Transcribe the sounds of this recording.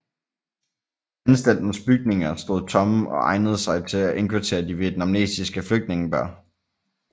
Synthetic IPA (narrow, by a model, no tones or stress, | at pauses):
ænsd̥æl̰d̥n̩sb̥yɡ̥̚ne̝ŋɐsd̥o̝ðˠt͡sʰɒ̽mɒ̽ʔɑ̈ɪnəð̞ˠəsɑ̈ɪt͡sʰe̝læʔe̝nkʰʋuɐt͡sʰe̝̰ːɐd̥iʋe̝d̥nɑ̈mne̝̰ːsisɡ̥əfløɡ̥̚d̥ne̝ŋəb̥ɶɐ̰